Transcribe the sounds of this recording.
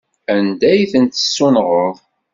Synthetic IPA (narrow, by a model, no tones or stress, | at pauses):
ænd̪æjθənt̪ə̥sːunʁəðˤ